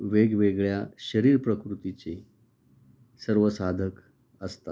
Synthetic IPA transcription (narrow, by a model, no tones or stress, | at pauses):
ʋeɡʋeɡɭjaɕəɾiːɾpɾəkɾut̪it͡se | səɾʋəsad̪ʱək | əst̪a̰t̪